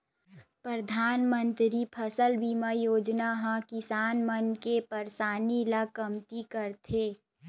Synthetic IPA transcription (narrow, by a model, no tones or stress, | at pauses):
pɾəd̪ʱaːnmə̃nt̪ɾipʰəsəlbimajoːd͡ʒnaɦãkɪsaːnmənkepəɾsaːniləkɐmt̪ikəɾt̪ʰeː